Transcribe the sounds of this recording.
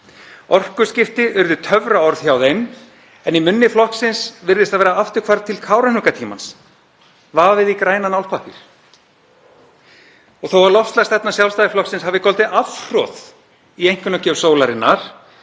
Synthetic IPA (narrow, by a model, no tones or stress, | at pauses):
ɔr̥kʏ̥scɪft̪ɪʏɾðʏt̪ʰœvɾaɔɾðçjawðejn | ɛnimʏnːɪflɔhksɪnsvɪɾðɪst̪aðvɛːɾaaft̪ʏɾkʰvaɾðt̪ʰɪlkʰaːwɾanʏkat̪ʰiːmans | vaːvɪðikɾaːjnanawlpʰahpɪɾ̥ | ɔɣθowvaɾlɔfst̪last̪ɛt̪nasjawlst̪ajɪflɔhksɪnshavðɪkʰɔlt̪ɪʔafr̥ɔθ | iejŋ̥kʏnacœsoːwlaɾɪnːaɾ̥